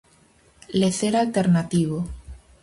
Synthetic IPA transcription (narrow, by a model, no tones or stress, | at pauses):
leθeɾalt̪eɾnat̪iβ̞o